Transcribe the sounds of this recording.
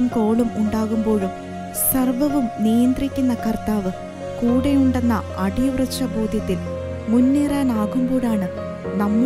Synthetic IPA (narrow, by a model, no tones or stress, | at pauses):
mko̞ːɭumuɳɖaːɣumbo̞ːɻum | sɐrʋɐʋumnijɐnd̪rikʲːunːɐkɐrt̪aːʋɨ | kuːɽejuɳɖenːɐɐɖiɐʋrɐʂɐboːd̪ʱjɐt̪ːil | munːiraːnaːɣumboːɻaːɳɨ | nɐmː